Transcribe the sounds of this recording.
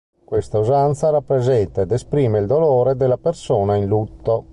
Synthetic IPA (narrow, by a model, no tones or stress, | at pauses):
kwest̪auzant̪saɾapːɾezɛnt̪aed̪espɾiːmeild̪oloːɾed̪elːapersoːnainlut̪ːo